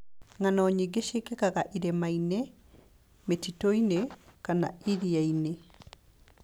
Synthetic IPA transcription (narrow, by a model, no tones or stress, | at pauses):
ŋanɔːɲiɡeʃekekaɡaʔiɾemaine | metitojnekana̰iɾijaine